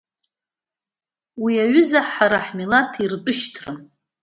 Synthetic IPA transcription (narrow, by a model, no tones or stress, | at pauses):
wiaɥʏzaħaɾaħmilatʰirtʼʊʃtʰrɨ